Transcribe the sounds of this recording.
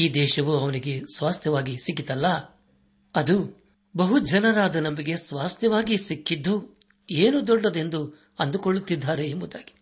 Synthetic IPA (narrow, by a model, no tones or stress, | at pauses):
iːd̪ɛːʃɐʋuɐʋɐniɡe̞sʋaːst̪ʰjɐʋaːɡisik̬ːit̪ɐlːɐ | ɐd̪u | bɐɦud͡ʒɐnɐɾaːd̪ɐnɐmbiɡe̞sʋaːst̪jɐʋaːɡisikːid̪ːu | eːnud̪ɔɖːɐd̪e̞nd̪u | ɐnd̪ukoɭːut̪ːid̪ʱːaːɾeːmbud̪aːɡi̥